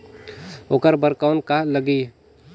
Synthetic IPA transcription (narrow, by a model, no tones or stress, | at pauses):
oːkəɾbəɾkaːnkaləɡiː